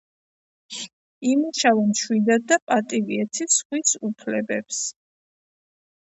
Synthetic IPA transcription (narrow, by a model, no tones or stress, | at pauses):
imuʃavɛmʃwid̪ad̪̚d̪apʼat̪ʼiviɛt̪ʰisχwisupʰlɛbɛps